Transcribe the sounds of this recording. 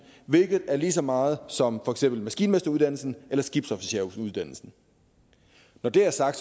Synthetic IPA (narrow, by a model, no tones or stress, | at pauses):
ʋe̝lɡ̥ð̞̩ˠæɐliːs̬ɒ̽mɑ̈ːð̞̩ˠsɒ̽mfɒ̽eɡ̥sem̰b̥l̩mæsɡ̥ḭːnmesd̥ɐuð̞ˠd̥æn̰l̩sn̩elɐsɡ̥ib̥sɒfiɕeɐuuðˠd̥æn̰l̩sn̩ | nɒd̥e̝æɐsɑ̈ɡ̥̚d̥